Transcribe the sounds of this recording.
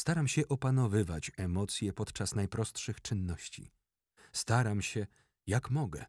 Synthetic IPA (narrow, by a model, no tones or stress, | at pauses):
st̪aɾamɕɛʔɔpanɔvɘva̰t͡ɕɛmɔt̪sʲjɛpɔt̪t͡ʂasnajpɾɔst̪ʂɘxt͡ʂɘnːɔɕt͡ɕḭ | st̪aɾamɕɛ | jakmɔɡɛ̰